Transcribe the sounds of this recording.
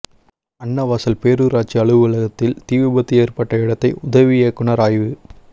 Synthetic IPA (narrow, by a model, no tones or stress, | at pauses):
ɐɳːɐʋaːsɐlpeːɾɯɾaːʈ̚t͡ʃiɐɭɯʋɯlɐɣɐt̪ːɪlt̪iːʋɯbɐt̪ːieːɾpɐʈːɐɪɽɐt̪ːɐɪʔʊðɐʋijɐkʊɳɐɾaːjʋɯ